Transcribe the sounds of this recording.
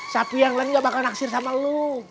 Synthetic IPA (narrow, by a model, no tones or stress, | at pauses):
sapijaŋlanŋɡabakalnaksɪrsamalu